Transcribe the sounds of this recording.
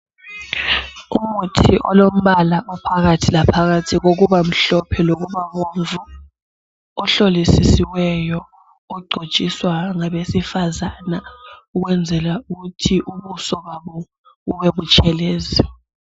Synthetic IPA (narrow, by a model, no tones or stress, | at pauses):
umutʰiʔɔ̰lom̩βalaʔɔpʰaɣatʰilapʰaɣatʰiɣoɣuβam̩ɬɔpʰɛloɣuβaɣoɱvu | ɔɬolisisiwɛjɔ | ɔɡ͡ǀʱo̥t͡ʃʼiswaŋaβesifazanauɣwɛnd͡zʱɛlauɣutʰiʔuβusɔβaβɔ | ɣuweβut͡ʃʼɛleːzi